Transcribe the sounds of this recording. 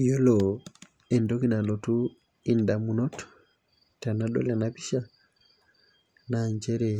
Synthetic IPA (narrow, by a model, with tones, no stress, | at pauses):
jo˦lo | e˨ndo˦ki˦na˨lo˨tu˦ | indamu˨nɔ˦t | ta˨naɗo̰˦lanapi˦ʃa˦ | naɲd͡ʒe˦ɾe˨